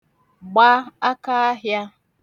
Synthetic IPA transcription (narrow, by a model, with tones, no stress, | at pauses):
ɡ͡ba˦a˦ka˦a˦ɦja˦